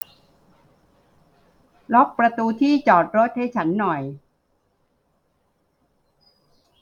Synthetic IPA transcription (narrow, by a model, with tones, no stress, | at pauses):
lɔ˦˥k̚pɾa˧t̪uː˧t̪ʰiː˥˩t͡ɕɔː˨˩t̪̚ɾo˦˥t̪̚ha˥˩jt͡ɕʰa˦˥nːɔ˨˩j